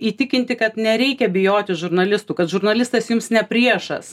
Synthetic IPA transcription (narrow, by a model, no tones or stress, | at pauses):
iːt̪ʲɪkʲɪnʲt̪ʲɪkɐt̪nʲɛɾʲɛɪkʲɛbʲɪjoːt̪ʲɪʒʊɾnɐlʲɪst̪uːkɐt̪ʒʊɾnɐlʲɪst̪ɐsjʊmsnʲɛpʲɾʲiɛʃɐ̰s